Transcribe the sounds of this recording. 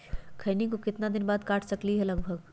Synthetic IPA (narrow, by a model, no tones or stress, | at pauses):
kʰɐːnikokɪt̪nad̪ɪnbaːd̪kaːʈʰsɐkliɦɛlɐɡbʱəɡ